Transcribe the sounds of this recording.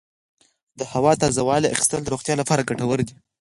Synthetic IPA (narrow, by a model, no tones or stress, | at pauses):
d̪əhawɑt̪ɑzawɑlea̰xɪ̥st̪ənd̪əɾoxt̪jɑlapɑɾaɡaʈawəɾd̪i